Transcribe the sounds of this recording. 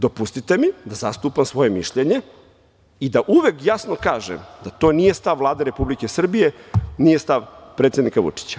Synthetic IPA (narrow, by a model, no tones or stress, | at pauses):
d̪opust̪it̪e̞mid̪azast̪uːpamsʋo̞je̞miʃʎeɲe̞ | id̪aʔuʋekjasnokaːʒḛmd̪at̪o̞ːnije̞st̪aʋːlˠaːd̪eɾe̞publike̞sr̩bije̞nije̞st̪aʋpɾet̪sjed̪nikaʋṵt͡ʂi̥t͡ɕḁ